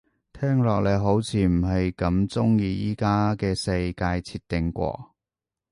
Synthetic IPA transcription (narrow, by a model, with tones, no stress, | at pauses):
t̪ʰɛː˥ŋlɔː˨k̚le˨˧ɦo˨˥wt͡sʰiː˨˥m̩˨˩ɦɐ˨jkɐ˨˧˥mt͡sʊ˥ŋjiː˧jiː˥kaː˥kɛː˧sɐ˧jkaː˧jt͡sʰiː˧t̪ːɪ˨ŋkʷɔ̰ː˧